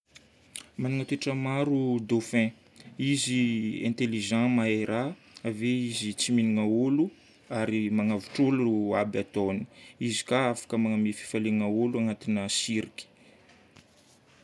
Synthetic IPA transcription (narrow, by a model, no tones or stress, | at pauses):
manuŋat̪eʈ͡ʂəmaɾud̪ofɛ̃ | iziɛ̰̃nt̪eliʒãmaeɾʔaː | veizit͡siminiŋaulu | aɾimaŋavu̥ʈ͡ʂoluabat̪oni̥izi̥kaafḁkəmaŋamefi̥faleŋauluaŋat̪inəsiɾikʲi̥